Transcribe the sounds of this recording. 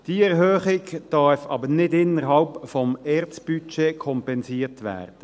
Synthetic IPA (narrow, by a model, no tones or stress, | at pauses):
d̥iɛʁɦøːχɪkd̥ɑɾfɑ̰ːbənɪdɪnːəɾɦhɑlpfɔmɛɾt͡sb̥yt͡ʃeːkʰɔmpɛnsiːʁtʋæ̰ːɾd̥ə